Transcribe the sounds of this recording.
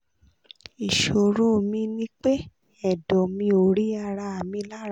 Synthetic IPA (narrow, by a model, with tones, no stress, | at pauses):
i˨ʃo˨ɾu˦˨mĩ˧nĩ˦k͡pe˦ | ɛ˨dɔ˨mĩ˧o˨ɾi˦a˧ɾa˧a˨mĩ˧la˦ɾ